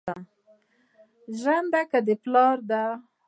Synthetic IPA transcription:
ʒand̪akad̪eplɑɾd̪a

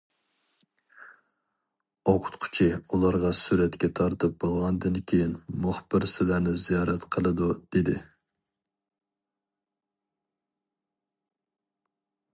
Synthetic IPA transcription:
oqʰʊ̥t̪qʰʊ̥t͡ʃʰiulˠɑɾʁɑsuɾɛt̪kʲɛt̪ʰɑɾt̪ɨp̚b̥olˠʁɑnd̪ɨnkʲʰejinmʊχbɪɾsɪlæɾnɪzijɑːɾɛt̪qʰəlˠɨd̪ud̪̥ed̪ɪ

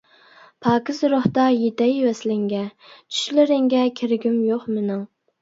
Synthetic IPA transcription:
pʰɑːkʲɪzɾoht̪ɑjet̪ɛjwɛslɪŋɡʲɛt͡ʃʰy̥ʃlɪɾɪŋɡʲɛkʲʰeɾɡʲymjoχmenɪŋ

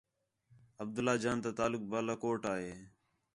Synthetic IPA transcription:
əb̚d̪əlaːd͡ʒaːnt̪aːt̪aːlʊk̚baːlaːkoːʈaːɦeː

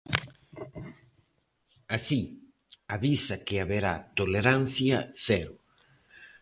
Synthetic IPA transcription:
asi | aβisɐkɪaβeɾat̪oleɾan̟θjɐsɛɾʊ

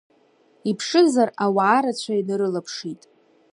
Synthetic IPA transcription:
ipʰʂɨzarawaːɾat͡ɕʷʰaidaɾɨlapʰʂitʼ

